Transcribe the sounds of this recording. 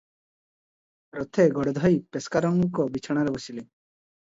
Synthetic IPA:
ɾɔt̪ʰeɡɔɽed̪ʱɔjpeskaɾɔŋkɔbit͡ʃʰɔɽ̃aɾebosile

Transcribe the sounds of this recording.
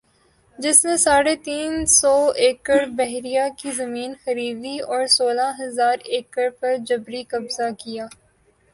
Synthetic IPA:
d͡ʒɪsnesaːɽet̪iːnsɔːeːkəɾbɛɦɾijakizɐmiːnxɐɾiːd̪iɔːɾsoːlaɦɐzaːɾeːkəɾpɐɾd͡ʒɐbɾikɐbzakijaː

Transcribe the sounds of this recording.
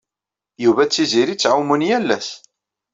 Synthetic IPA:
juvæt͡sːiziɾit͡sːʕawmunjælːæs

